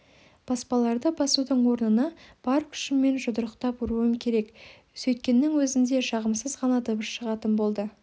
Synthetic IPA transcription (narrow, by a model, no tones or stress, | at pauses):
b̥ɑspɑlˠɑɾd̪əbɑsud̪əɴwo̞ɾnənɑb̥ɑɾkʲʰʏ̥ʃɪmːe̞nʒʊd̪əɾəqt̪ɑpʊɾuəmkʲʰe̞ɾe̞k | sɵjt̪̚kʲe̞nːɪŋwɵzɪnd̪e̞ʃɑʁəmsəzʁɑnɑd̪əbəsʃəʁɑt̪ənbo̞lˠd̪ə